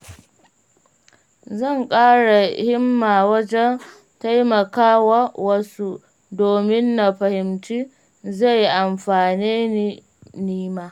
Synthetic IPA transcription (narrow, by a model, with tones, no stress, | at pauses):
zɐ˦˨ŋkʼaː˦ɽa˨hɪ˦mːaː˨wɐ˦d͡ʒɛ˦n | ta˦jmɐ˨kaː˦wa˦wɐ˦su˦ | doː˨mɪ˦nːa˨ɸɐ˨hɪ˨mt͡ʃiː˦ | za˦˨jʔa˨mɸaː˨niː˦ni˦ | niː˦maː˦